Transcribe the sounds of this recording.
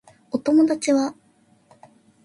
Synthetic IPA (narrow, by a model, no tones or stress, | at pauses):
o̞t̪o̞mo̞d̪at͡ɕiβa